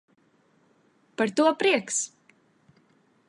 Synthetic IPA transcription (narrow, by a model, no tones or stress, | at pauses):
paɾt̪uɔpɾiɛks